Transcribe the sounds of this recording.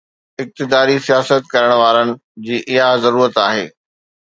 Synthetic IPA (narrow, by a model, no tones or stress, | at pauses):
ɪk̚t̪ɪd̪aːɾisijaːsət̪kɐɾəɽ̃ʋaːɾənɪ̆ | d͡ʑiːʔɪɦazɐɾuːɾət̪aːɦḛː